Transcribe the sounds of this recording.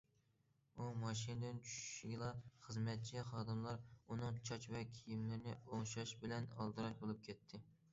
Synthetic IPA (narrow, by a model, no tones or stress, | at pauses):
umɑʃinɨd̪ɪnt͡ʃʰy̥ʃʃiɡʲlˠɑχəzmɛt̪̚t͡ʃʰɛχɑːd̪ɨmlˠɑɾunɨŋt͡ʃʰɑt͡ʃvɛkʲʰijimlɪɾnɪoŋʃɑʃbɪlɛnɑ̰lˠd̪ɨɾɑʃbolˠɨp̚kʲʰɛt̪ʰːɪ